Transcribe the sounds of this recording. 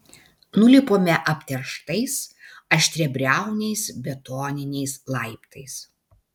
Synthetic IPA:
nʊlʲɪpoːmʲɛʔɐpʲt̪ʲɛɾʃt̪ɐɪsɐʃʲt̪ʲɾʲɛbʲɾʲæˑʊnʲɛɪsbʲɛt̪oːnʲɪnʲɛɪslˠɐɪpt̪ɐɪs

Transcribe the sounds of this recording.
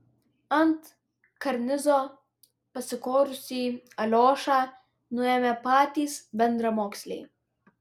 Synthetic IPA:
ɐnt̪ | kɐɾnʲɪzɔ | pɐsɨkoːɾusiɐlʲoːʃa | nuɛmɛpaːt̪iːsbɛnd̪ɾɐmɔːksʲlʲḭ

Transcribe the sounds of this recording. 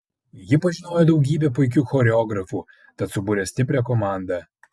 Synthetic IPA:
jɪpɐʒʲɪnoːjod̪ɐʊɡʲiːbʲɛp̬ʊɪkʲuːxɔɾʲɛɔɡɾɐfuː | t̪ɐt̪sʊbuːɾʲɛsʲt̪ʲɪpʲɾʲɛːkɔmɑˑnd̪ɐ

